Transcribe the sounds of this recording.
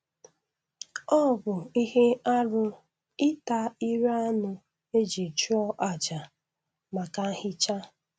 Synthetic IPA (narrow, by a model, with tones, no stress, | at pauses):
ɔ˦˨bʊ˨i˦ɦe˦a˦ɾʊ˦ | ɪ˦ta˦i˦ɾa˦nʊ˦ | e˦d͡ʒi˨t͡ʃu˦ɔ˦ʔa˨d͡ʒa˨ | ma˨ka˦hɪ˦t͡ʃa˦